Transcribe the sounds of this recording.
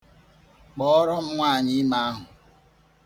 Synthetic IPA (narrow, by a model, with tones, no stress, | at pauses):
k͡pɔ˦ɾɔ˦m̩˦ŋʷa˦˨ɲɪ˦ma˦a˦ɦʊ˨